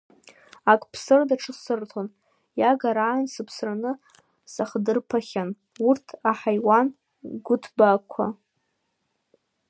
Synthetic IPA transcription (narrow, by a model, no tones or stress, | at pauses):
akʷʼpʰsɨrdaʈ͡ʂʰɨsɨrtʰon | jaɡaɾaːnsɨpʰsranɨ | saχdɨrpʰaχʲan | urtʰaħajwan | ɡʷʊtʰbakʷʰa̰